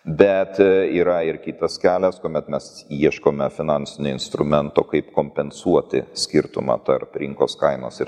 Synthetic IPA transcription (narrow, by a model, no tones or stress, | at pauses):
bʲɛt̪iːɾɐɪɾkʲiːt̪ɐskʲæːlʲɛskuɔmʲɛt̪mʲɛsiɛʃkoːmʲɛfʲɪnɑnʲsʲɪnʲʊɪnst̪ɾʊmʲɛnt̪oːkɐɪpkoːmʲpʲɛnsuɔt̪ʲɪ̰sʲkʲɪɾt̪ʊ̰mɑ̰ːt̪ɐɾpɾʲɪŋko̰ːskɐɪnoːsɪɾ